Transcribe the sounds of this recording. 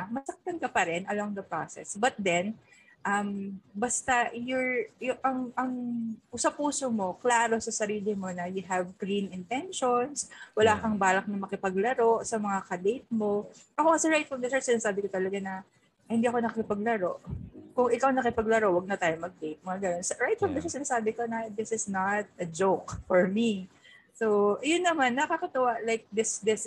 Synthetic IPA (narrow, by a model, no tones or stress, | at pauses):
mɐsɐk̚t̪ɐnkɐpɐɾɛnʔɐloŋd̪ɐpɾasɛ̰sbɐt̪̚d̪ɛn | ʔɐmbɐst̪ajɔɹjʊʔɐŋʔɐŋsɐpuːsomo̞klaːɾo̞sɐsɐɾiːlɪmo̞nɐjʊɦɛvɡɾinɪnt̪ɛnʃonswɐlaːkɐŋbaːlɐk̚nɐmɐkɪpɐɡ̚lɐɾo̞ʔsɐmɐŋakɐd̪ejt̪̚mo̞ | ʔɐkokɐsɛɹajt̪fɹɐmd̪ɛsɛsɪnaːsaːbɪkot̪ɐlɐɡanɐ | hɪnd̪iːʔɐko̞nɐkkɪpɐɡ̚lɐɾo̞ʔkʊŋʔɪkawnɐkɪpɐɡlɐɾo̞wɐɡ̚nɐt̪aːjomɐɡ̚d̪ejt̪̚mɐŋaɡɐnonsɹajt̪̚fɐmd̪ɛsɛsɪnaːsaːbɪkonɐd̪ɪsɪsnɐt̪̚ɐd͡ʒowkfɔɹmisowʔjʊnːɐmanːɐkɐkɐt̪ɐwalajk̚d̪ɪsd̪ɪs